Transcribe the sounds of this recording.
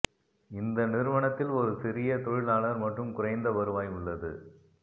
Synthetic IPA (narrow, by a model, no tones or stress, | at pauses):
ɪnd̪ɐnɪɾɯʋɐɳɐt̪ːɪlɔɾɯsɪɾɪjɐt̪ɔɻɪlaːlɐɾmɐʈrɯmkʊrɐɪnd̪ɐʋɐɾɯʋaːjʊɭːɐðɯ